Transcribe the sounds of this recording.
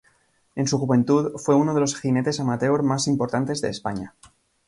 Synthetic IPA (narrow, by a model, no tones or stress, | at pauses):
e̞nsuxuβẽ̞nt̪uðfwe̞uno̞ð̞elo̞sxine̞t̪esamat̪e̞oɾmasimpo̞ɾt̪ant̪e̞zðeːspaɲa